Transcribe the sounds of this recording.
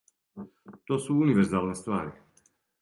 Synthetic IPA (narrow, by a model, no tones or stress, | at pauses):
t̪oːsuuniʋeɾzaːlˠnest̪ʋaːɾi